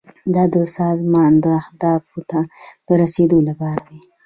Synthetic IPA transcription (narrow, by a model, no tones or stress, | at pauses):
d̪ɑd̪əsɑzmɑnd̪əahd̪ɑfot̪ad̪̥əɾased̪olapɑɾawi